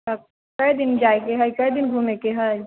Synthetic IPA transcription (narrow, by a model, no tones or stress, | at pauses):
a | kɐid̪ɪnd͡ʒaːekeɦəjkɐid̪ɪnɡʱumekeɦəj